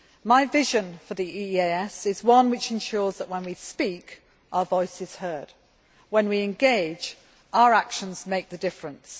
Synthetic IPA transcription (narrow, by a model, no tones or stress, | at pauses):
maɪvɪʒə̃nfəðiieɪɛsɪzwʌ̃nwɪt͡ʃɨ̃nʃɔːɹzðəʔwə̃nwispik | ʔaʊə˞vɔɪsɨz̥hɜ˞d̥̚ | wə̃nwiɨ̃nɡeɪd͡ʒ | ʔaʊə˞akʃə̃nz̥meɪk̚ðɨdɪfɹə̃ns